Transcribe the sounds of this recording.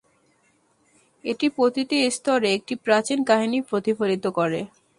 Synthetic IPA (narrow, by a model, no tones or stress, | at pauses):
eʈipɾot̪it̪iest̪ɔɾeek̚ʈipɾat͡ɕinkaɦinipɾot̪ifolit̪okoɾe